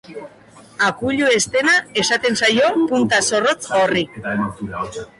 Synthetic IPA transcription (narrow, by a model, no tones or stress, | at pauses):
akuʎue̞st̪e̞nae̞sat̪e̞nsajo̞punt̪aso̞rot͡sori